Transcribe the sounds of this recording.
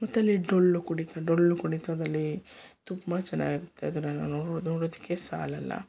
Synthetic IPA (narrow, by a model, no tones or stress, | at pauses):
mɐt̪ːɐlːiɖolːukuɽit̪ɐɖolːukuɽit̪ɐd̪ɐlːit̪umːɐt͡ʃɛnːa̰ːɡiɾut̪ʰːeɐd̪unːɐnanonoːɽoːd̪ikːesa̰ːlɐlːɐ̰